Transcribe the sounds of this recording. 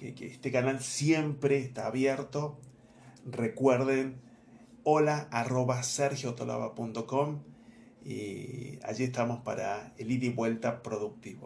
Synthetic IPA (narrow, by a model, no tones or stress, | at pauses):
kekeest̪ekanalsjempɾeːst̪aːβjeɾt̪o̞ | rekweɾðen | olaːro̞βaseɾxjoot̪olʔa̰βa̰punt̪o̞ko̞m | ḭa̰ʒiest̪amo̞spaɾa̰eliɾiβwe̞lt̪apɾo̞ðuk̚t̪iβo